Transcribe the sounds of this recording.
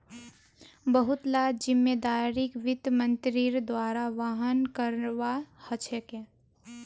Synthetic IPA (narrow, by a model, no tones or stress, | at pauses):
bəɦʊt̪laːd͡ʒɪmːed̪aːɾɪkʋɪd̪mə̃nt̪ɾiɾd̪waːɾaʋaːɦənkəɾʋahət͡ʃʰekẽ